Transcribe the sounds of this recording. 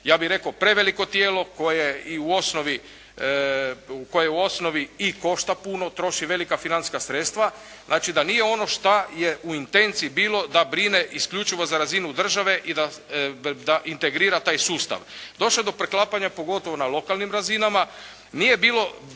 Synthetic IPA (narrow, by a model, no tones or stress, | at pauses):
jaːbiɾe̞kopɾe̞ʋeliko̞t̪jeːlo̞kojeiuo̞sno̞ʋi | ukojeuo̞sno̞ʋiiko̞ʃt̪apuno̞t̪ɾo̞ʃiʋe̞likafinant̪skasɾet̪st̪ʋa | znʔaːt͡ʃid̪anije̞o̞no̞ʃt̪ajeʔuint̪e̞nt̪siːibiːlo̞d̪abɾine̞ʔiskʎut͡ʃiʋozaɾazinud̪r̩ʒaʋe̞ʔid̪a | d̪aʔint̪eɡɾiːɾat̪aːjsuːst̪a̰ʋd̪o̞ʃlod̪o̞pɾeklˠapaɲapo̞ɡo̞t̪oʋonalo̞kalˠnimɾazinama | nije̞biːlo